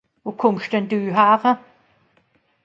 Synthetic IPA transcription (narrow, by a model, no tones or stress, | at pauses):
vokʰʊmʃd̥ɛndyːɦaːʁə